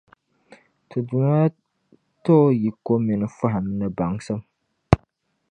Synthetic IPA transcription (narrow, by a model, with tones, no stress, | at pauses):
tʰɨ˨du˨ma˦ | to˦ji˨ko˦mi˨nɨ˦fa˦ɦa˨mnɨ˨ba˨ŋsɨ˦m